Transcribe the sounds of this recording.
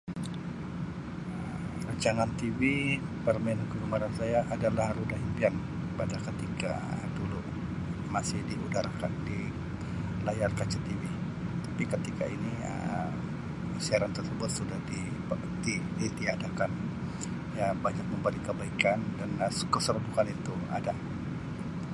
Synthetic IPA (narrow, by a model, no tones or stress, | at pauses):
ə | raɲt͡ʃaŋant̪ibipərmɛnakəkəmaɾansajaʔadalahɾudaɦimpian | padakət̪ika̰ | dulu | masɪhdiudaɾakandi | lajarkat͡ʃat̪ibɪ | t̪apikət̪ika̰iniə̰ | siaɾant̪ərsəbʊt̪̚sudahdi | d̪idit̪iadakan | jabaɲak̚məmbəlikəbaikandanskəsəɾbukanit̪ua̰da